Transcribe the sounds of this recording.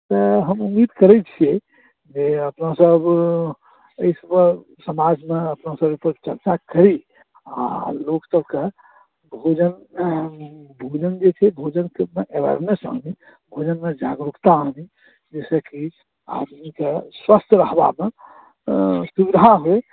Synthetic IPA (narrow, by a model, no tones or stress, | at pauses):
t̪ɔɦəmumːid̪kəɾɛt͡ʃʰiɛ | d͡ʒeəpnasəb | əisəbə | səmad͡ʒmeəpnasəbepəɾt͡ʃəɾt͡ʃakəɾi | a̰loksəbke | bʱod͡ʒən | bʱod͡ʒənd͡ʒet͡ʃʰɛbʱod͡ʒənkemeʔebə̰ɾnesã̰ni | bʱod͡ʒənmed͡ʒa̰ɡɾukt̪aːni | d͡ʒesəki | a̰d̪mikeswəst̪ʰɾəɦba̰me | subid̪ʱaɦoe